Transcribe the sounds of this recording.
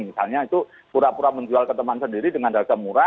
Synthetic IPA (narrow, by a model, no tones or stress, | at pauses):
misalɲait̪u | puɾapuɾaməɲd͡ʒualkət̪əmansəndiɾidəŋandakamuɾa